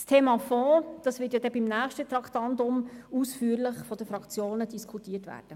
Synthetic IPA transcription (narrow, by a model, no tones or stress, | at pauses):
stʰeːmɑfɔːd̥ɑsvʋɪːtjɑdɛbimnæːχʃtət̪ɾɑktɑntʊmuːsfyːəɾlɪχfɔd̥əfɾɑkt͡sjoːnədiskʰutiːətʋæ̰ːɾd̥ə